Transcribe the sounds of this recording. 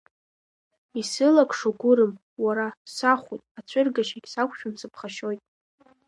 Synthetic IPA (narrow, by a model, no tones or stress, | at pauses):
isɨlakʰʼʂoɡʷʊɾɨm | waɾasaχʷṵjtʼat͡ɕʷʰʊrɡaʃaɡʲsakʷʰʼʃᶣamsɨpʰχaʃo̞jtʼ